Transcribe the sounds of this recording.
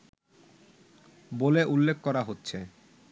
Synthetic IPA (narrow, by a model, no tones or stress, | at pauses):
boleʔulːekʰːkɔɾaɦotːɕʰe